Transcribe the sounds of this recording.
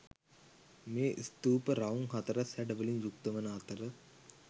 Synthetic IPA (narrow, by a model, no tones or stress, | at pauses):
mẽːʔist̪uːpəɾaũŋɦɐt̪ɾɐsɛɖʋəlĩnjuk̚t̪əʋənaːt̪əɾə